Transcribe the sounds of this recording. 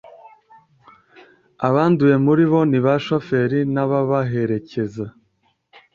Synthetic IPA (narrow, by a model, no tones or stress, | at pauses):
aβaːnduje̞muɾiβo̞niβaʃo̞fe̞ɾinaβaβaɦe̞ɾe̞ce̞za